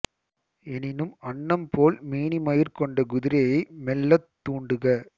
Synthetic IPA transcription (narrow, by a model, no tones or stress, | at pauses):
ɛnɪnɯmɐɳːɐmpoːlmiːɳimɐjɪrkɔɳɖɐɡʊðɪɾɐjɐɪmɛlːɐt̪ːuːɳɖɯɣɐ